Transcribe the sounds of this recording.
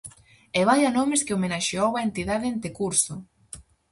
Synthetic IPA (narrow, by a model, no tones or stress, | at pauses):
eβ̞ajanomɪskɪomenaʃeowaent̪iðaðeent̪ekuɾsʊ